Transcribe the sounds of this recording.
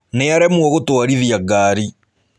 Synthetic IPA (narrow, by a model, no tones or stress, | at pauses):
neaɾɛmwɔɣotoaɾiðjaɡaːɾi